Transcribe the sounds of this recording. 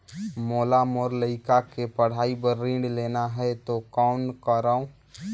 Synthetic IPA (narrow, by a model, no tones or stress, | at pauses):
moːlamoːɾləɪkakepəɽ̤aːibəɾːĩːɳɖleːnaɦɛt̪okɔːnkəɾaõ